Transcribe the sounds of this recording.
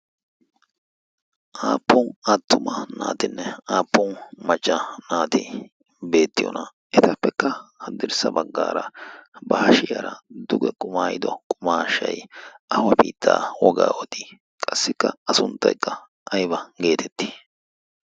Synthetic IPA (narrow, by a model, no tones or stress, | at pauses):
ʔaːpːɔnɐt̪ːʊmɐna̰ːt̪ɪnːɛaːpːɔnmɐt͡ʃʼːɐnaːt̪ɪ | be̞ːt̪ːɪjɔ̰nɐ | ɛt̪ɐpːɛkːɐhɐd̪ɪɾsɐbɐɡːaːɾɐbɐhɐʃɪjɐɾɐd̪ʊɡɛkʼʊmaːjɪd̪ɔkʼʊmaːʃːɐjʔɐwɐpḭːt̪ʰːaːwɔɡa̰ːwɔt̪ɪ | kʼɐsːɪkːɐ̰ɐsʊnt̪ːɐjkːɐ | ʔɐjbɐɡe̞ːt̪ʰɛt̪ːi̥